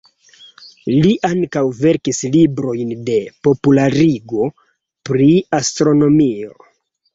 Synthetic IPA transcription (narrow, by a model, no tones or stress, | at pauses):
liʔaŋkawve̞ɾkislibɾo̞jnde̞po̞pulaɾiɡo̞ | pɾiastɾono̞mio̞̰